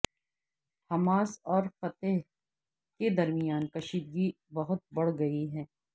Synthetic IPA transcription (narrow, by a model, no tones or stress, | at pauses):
hɐmaːsɔːɾxɐt̪eɦ | ked̪ɐɾmijaːnkɐʃiːd̪̚ɡi | bɐɦʊt̪̚bɐɽ̤ɡɐiɦɛ̃ː